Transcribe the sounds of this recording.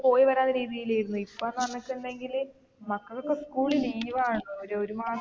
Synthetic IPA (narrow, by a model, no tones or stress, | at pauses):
po̞ːjiʋɐɾaːnɾiːðijilijiɾunːuipːoːɐnːɐkːuɳɖe̞ŋɡil | mɐkːɐɭokːeskuːɭiliːʋaːɳɨoɾoɾumaː